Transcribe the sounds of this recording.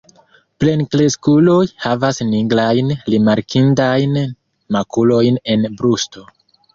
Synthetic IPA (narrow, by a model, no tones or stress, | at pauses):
ple̞nkleskulo̞jhavasniɡlajnlimaɾkʰindajn | makulo̞jne̞nbɾusto̞